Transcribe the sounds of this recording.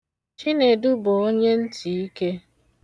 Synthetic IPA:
t͡ʃi˦ne˨dʊ˦bʊ˨o˦ɲe˦n̩˦tʰi˨i˦ke˦

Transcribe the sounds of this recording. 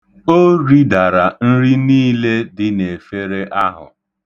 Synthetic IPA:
o˦ɾi˦da˨ɾa˨n̩˦ɾi˦niː˦le˦dɪ˦ne˨fe˦ɾe˦ʔa˦ɦʊ̰˨

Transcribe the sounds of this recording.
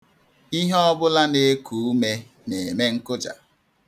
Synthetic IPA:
i˦ɦɔ˦bʊ˦la˦ne˨˦kʰu˨u˦me˦ | ne˨e˨me˦ŋ̩˦kʊ˦d͡ʒa̰˨

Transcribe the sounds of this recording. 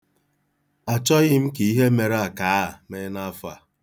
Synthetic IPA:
a˨t͡ʃɔ˦ɣɪ˦m̩˦ke˨i˦ɦe˦me˨ɾa˦˨ka˨˦˨me˨˦na˦fa̰˨

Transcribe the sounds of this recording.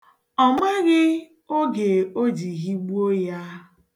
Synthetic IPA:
ɔ˨me˦ɣɪ˦ | o˦ɡe˨o˦d͡ʒi˨ɣi˦ɡ͡bu˦o˦ja˦

